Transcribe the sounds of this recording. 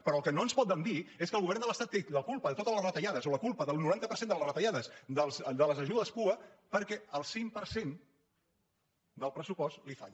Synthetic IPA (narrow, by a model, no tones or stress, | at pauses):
pəɾɔːlˠkənoənspɔt̪̚d̪ənd̪ieskəlɣuβɛrnd̪ələst̪at̪ːeləkulˠpəðət̪ot̪ələzrət̪əʎaðəzoləkulˠpəðəlˠnuɾant̪əpəɾsend̪əlˠəsrət̪əʎaðəsd̪əlˠzd̪ələzəʒuðəspuəpəɾkɛəlˠsimpəɾsen | d̪əlˠpɾəsupɔst̪lifa̰ʎ